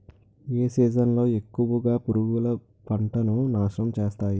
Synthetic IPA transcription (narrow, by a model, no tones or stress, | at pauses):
eːsiːd͡ʒɐnlo̞ːe̞kːuʋɐɡaːpuɾuɡulɐ | pɐɳʈɐnunaːʂnɐmt͡ʃeːst̪aːji